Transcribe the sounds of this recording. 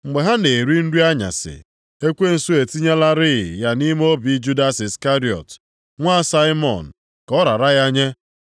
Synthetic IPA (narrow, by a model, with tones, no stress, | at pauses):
ŋ͡m̩˨ɡ͡be˨ɦa˦ne˨ɾi˦n̩˦du˦a˦ɲa̰˨sɪ̰˨ | e˦kʷe˦n̩˨su˦e˨ti˦ɲe˦la˦ɾɪ˦˨ja˦ni˦m˦o˦bi˨˦d͡ʒu˦da˦sɪ˨ska˦ɾi˨ɔ̰˨t | ŋʷa˦sa˦ɪ˦mɔ̰˨n̩˨ | kɔ˦ɾa˨ɾa˦ɣja˦ɲe˦